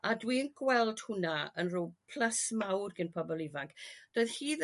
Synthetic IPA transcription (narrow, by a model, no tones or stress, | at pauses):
adwiənɡwɛlˠd̥hʊnaənruːpʰl̥asmawrɡənpʰɔbɔlˠivaŋkd̥oːɨðhiːð